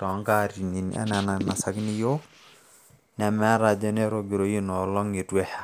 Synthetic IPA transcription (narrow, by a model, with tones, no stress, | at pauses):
tɔ˨˦ŋɡa˦ɾi˨ni˨na̰˦nɛ˨na˨na˨sa˨˦ɡni˦jo˦ | nɛ˨mɛ˦ɾa˨d͡ʒe˦ne˦ɾo˨ɡi˨ɾo˨˦ji˦nɔ˨lɔ˦ŋi˨twɛ˦ha˦˨